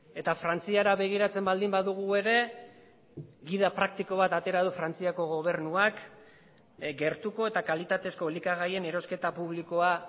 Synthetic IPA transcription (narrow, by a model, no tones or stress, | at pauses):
e̞t̪afɾant͡siaɾaβe̞ɣ̞iɾat͡se̞mbald̪imbaðuɣ̞ue̞ɾe̞ | ɣiðapɾak̚t̪iko̞β̞at̪at̪e̞ɾað̞ufɾant͡siako̞ɣ̞o̞β̞e̞ɾnuak | ɡe̞ɾt̪uko̞e̞t̪akalit̪at̪e̞sko̞likaɣ̞aje̞ne̞ɾo̞ske̞t̪apuβlikoa